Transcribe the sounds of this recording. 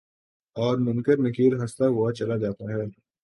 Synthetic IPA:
ɔːɾmʊ̃ŋkəɾnɪkiːɾɦɐst̪aɦuwat͡ʃɐlad͡ʒaːt̪aɦɛː

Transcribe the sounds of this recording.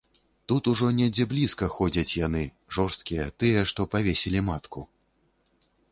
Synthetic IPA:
t̪ut̪uʐɔnʲɛd͡zʲɛblʲiskɐxɔd͡zʲɐt͡sʲjanɨ | ʐɔrst̪kʲijɛt̪ɨjɛʂt̪ɔpavʲesʲɛlʲimat̪kʰu

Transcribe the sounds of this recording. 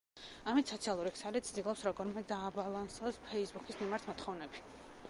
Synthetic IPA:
amit̪sɔt̪sʰialˠuɾiksalit̪sʰd̪ilˠɔpsɾɔɡɔɾmɛd̪aːbalˠansɔspʰɛisbukʰismimaɾt̪ʰmɔt̪χɔvnɛbi

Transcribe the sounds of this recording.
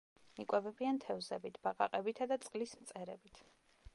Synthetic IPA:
ikʼwɛbɛbiant̪ʰɛvzɛbit̪ʰb̥aqʼa̰qʼɛbit̪ʰad̪at̪sʼqʼlismt̪sʼɛɾɛbit̪ʰ

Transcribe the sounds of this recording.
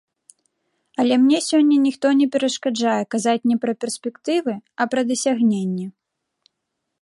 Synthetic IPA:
ɐlʲɛmnʲɛsʲɔnʲːɐnʲixt̪ɔnʲɛpʲɛɾɐʂkad͡ʐajɛkazat͡sʲnʲɛpɾɐpʲɛrsʲpʲɛkt̪ɨvɨɐpɾɐd̪ɐsʲaɣnʲenʲːɛ

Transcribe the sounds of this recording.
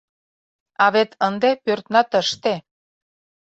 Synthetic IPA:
ɑβet̪ʰənd̪epørt̪nɑt̪əʃt̪e

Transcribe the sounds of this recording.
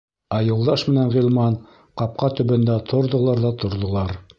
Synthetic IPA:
æjŏlˠd̪ɑʃmɘ̆nænʁilˠmɑn | qɑp̚qɑt̪ɵ̆βɘ̆nd̪æt̪ʰŏɾðŏlˠɑɾðɑt̪ŏɾðŏlˠɑɾ

